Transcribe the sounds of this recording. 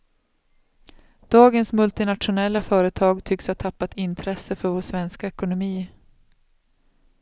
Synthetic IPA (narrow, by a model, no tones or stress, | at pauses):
d̪̥ɑːɡənsmɵlt̪ɪnat̪ʂʊnɛlːafœːɾət̪ʰɑːɡt̪ʰʏkshaʈtʰapːat̪ɪnt̪ʰɾɛsəfœɾvoːʂvɛnskaɛkʊnʊmiː